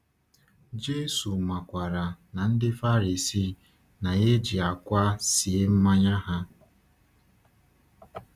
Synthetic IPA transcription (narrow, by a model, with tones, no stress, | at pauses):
d͡ʒe˦su˨ma˨kʷa˨ɾa˨na˨n̩˦dɪ˦fa˦ɾi˨si˦˨ | na˨ɣe˦d͡ʒi˨a˨kʷa˦si˨˦m̩˦ma˦ɲa˦ɦa˦